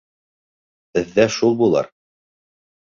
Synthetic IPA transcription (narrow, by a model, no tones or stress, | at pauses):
bɘ̆ðːæʃulˠbulˠɑ̰ɾ